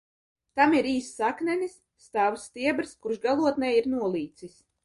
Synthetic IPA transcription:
t̪amiɾiːsːaknɛnisːt̪awst̪iɛbɾskuɾʃɡalˠuɔt̪nɛjiɾnuɔlˠiːt̪sis

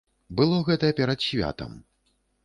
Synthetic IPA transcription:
bɨlˠɔɣɛt̪ɐjɛpʲɛɾɐt̪ɕʲvʲa̰t̪ɐ̰m

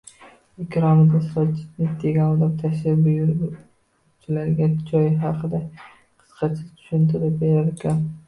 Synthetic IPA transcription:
ekʲʰɾɒmɪd̪ʲasɾɒt͡ʃːɪ̥t̪nɪd̪ʰeɡʲanɒd̪apt̪ʰaʃɪbʊjɾ | t͡ʃʰɪlaɾɡʲad͡ʒɒjɦɑqʰɨd̪a | qʰɨ̥sqʰɑt͡ʃʰɪt̪ʰʊ̥ʃʊnt̪ʰɪɾapbeɾaɾekʲʰan

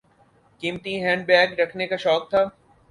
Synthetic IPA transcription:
kiːmt̪iɦɛ̃ːɳɖ̚bɛːɡɾɐkʰnekaʃɔːk̚t̪ʰaː

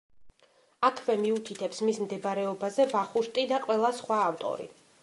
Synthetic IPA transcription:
akʰvɛmiut̪ʰit̪ʰɛpsmismd̪ɛbaɾɛɔbazɛvaχuɾt̪ʼid̪aqʼwɛlˠasχwaːvt̪ʼɔ̰ɾḭ

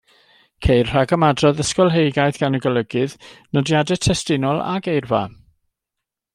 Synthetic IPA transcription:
kʰejrr̥aɡəmadrɔðəskɔlˠɦejɡajθɡ̥anəɡɔləɡɨðnɔdjadɛtʰɛstɪnɔlˠa̰ɡejrva̰

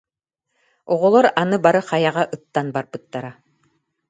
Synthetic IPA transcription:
ɔʁɔlˠɔɾanɯbaɾɯqɑjaʁaʔɯt̪ːanbaɾbɯt̪ːaɾa

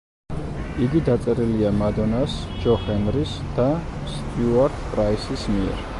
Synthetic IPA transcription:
iɡid̪at̪sʼɛɾiliamad̪ɔnasd͡ʒɔχɛnɾisd̪̥ast̪ʼjuaɾt̪ʰpʼɾaisismiɛ̰ɾ

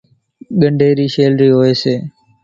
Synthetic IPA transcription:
ɠəɳɖʱeːɾiːʃeːlɾiːɦoːeːseː

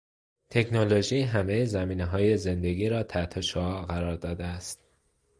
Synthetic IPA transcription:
t̪ʰe̞kʰnoloʒiːɦæme̞jezæmiːneɦɒːje̞ze̞nd̪e̞ɡiːɾɒːt̪ʰæt̪ʰoʃoɒːɣæɾɒːɾd̪ɒːd̪eæst̪

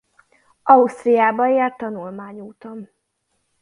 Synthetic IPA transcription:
ɒust̪rijaːbɒert̪ːɒnulmaːɲuːt̪o̞n

